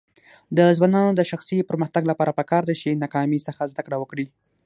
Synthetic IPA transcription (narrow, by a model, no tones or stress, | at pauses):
d̪əzwɑnɑnod̪əʃaxsipəɾməxt̪aɡlapɑɾapəkɑɾd̪at͡ʃenɑkɑmisəxazd̪akɽawəkɽi